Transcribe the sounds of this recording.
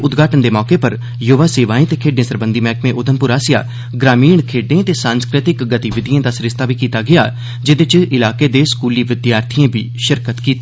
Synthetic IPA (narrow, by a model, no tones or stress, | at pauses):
ʊd̪ɡʱaːʈənd̪eːmɔːkeːpəɾ | joːʋaːseːʋaːẽːt̪eːkʰeːɖẽːsəɾbənd̪iːmɛːkmẽʔʊd̪ʱənpʊɾaːsɪja̰ː | ɡɾaːmiːɳkʰeːɖẽːt̪eːsãːnskɾɪt̪ɪkɡət̪iʋɪd̪ʱijãːd̪aːsɾɪst̪aːbiːkiːt̪aːɡɪja̰ː | d͡ʒɪd̪ɪt͡ʃɪlaːkeːd̪eːskuːliːʋɪd̪jaːɾt̪ʰijãːbʱḭːʃəɾkət̪kiːt̪ː